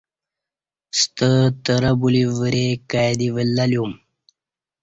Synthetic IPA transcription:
st̪ət̪əɾabulivəɾekajd̪iʋəlːaljum

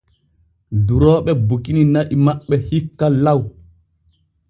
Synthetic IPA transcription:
duɾɔːɓɛbukininaʔimaɓːɛhikːalaw

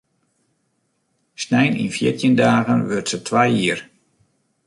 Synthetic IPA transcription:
snɛjnḭnfjɪ̰tjəndaːɣənʋørtsətʰʋajiər

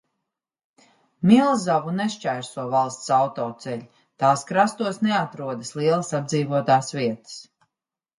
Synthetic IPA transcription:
milˠzavunɛʃt͡ʃæjɾsuɔvalˠst̪sawt̪ɔːt̪sɛʎʲ | t̪aːskɾast̪uɔsnɛat̪ɾuɔd̪əslˠiɛlˠasad̪d̪ziːvuɔt̪aːsviɛt̪ə̥s

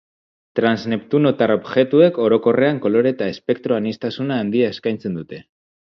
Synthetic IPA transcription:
t̪ɾanzne̞pt̪uno̞t̪aɾo̞bxe̞t̪ue̞ko̞ɾo̞ko̞re̞aŋko̞lo̞ɾe̞t̪ae̞spe̞k̚t̪ɾo̞anist̪asunaːnd̪iae̞skajnt͡se̞nd̪ut̪e̞

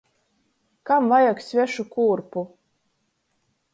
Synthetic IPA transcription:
kamvajaksʲvʲæʃukuːrpu

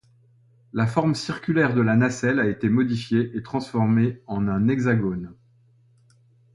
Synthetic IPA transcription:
lafɔʁmsiʁkʲylɛʁd̪əlanasɛlaet̪emɔd̪ifjeʔet̪χɑ̃sfɔʁmeɑ̃nɛ̃nɛɡzaɡon

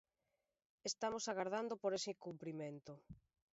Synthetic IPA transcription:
est̪amosaɣaɾð̞and̪opoɾesikumpɾiment̪o

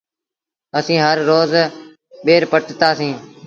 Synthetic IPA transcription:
əsĩːɦəɾːoːz | ɓeːɾpəʈt̪aːsĩː

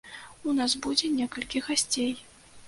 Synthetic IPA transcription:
unasbud͡zʲɛnʲɛkɐlʲkʲiɣasʲt͡sʲej

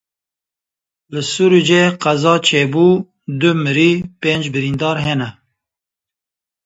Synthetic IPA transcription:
lɨsuɾud͡ʒeqæzɑːt͡ʃʰeːbuː | d̪ɨmɨɾipeːnd͡ʒbɨɾiːnd̪ɑːɾɦɛnɛ

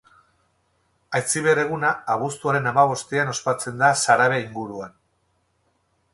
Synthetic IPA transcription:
ajt͡siβ̞e̞re̞ɣ̞unaːβ̞ust̪uaɾe̞namaβ̞o̞st̪iano̞spat͡se̞nd̪asaɾaβ̞eiŋɡuɾuan

